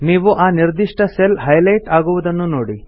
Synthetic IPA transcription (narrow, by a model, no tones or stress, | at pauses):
niːʋuʔaːniɾd̪iʂʈɐselɦɐjlɐjʈaːɡuʋud̪ɐnːunoːɽi